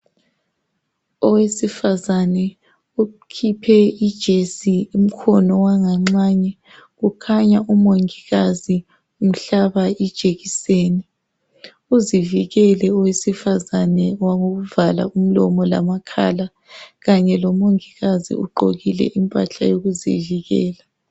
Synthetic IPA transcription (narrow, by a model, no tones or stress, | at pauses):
ɔwesifazanɛ | ukʰipʰɛid̥ʒ̥ʱesium̩kʰɔnɔwaŋaŋ͡ǀaːɲɛ | ɣukʰaɲaʔumoŋiɣazi | um̩ɬaβaid̥ʒ̥ʱeɣiseːni | uziviɣɛlɛɔwesifazanɛwaŋoɣuvala̰um̩lɔ̰mɔla̰makʰa̰la | ɣaɲɛlɔmoŋiɣazḭṵǃoɣilɛ̰ʔimpʼa̰ɬa̰joɣuzḭviɣɛːla